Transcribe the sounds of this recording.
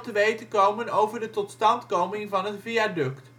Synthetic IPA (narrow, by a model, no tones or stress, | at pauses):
təʋejtəkowmənowvəɹdətɔtstɑntkowmɪŋvɑnɦətviadɵkt